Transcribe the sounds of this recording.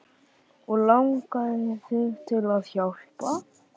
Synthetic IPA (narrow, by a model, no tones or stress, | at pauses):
ɔɣlawŋkaθɪt̪ʰɪlaðçawr̥pa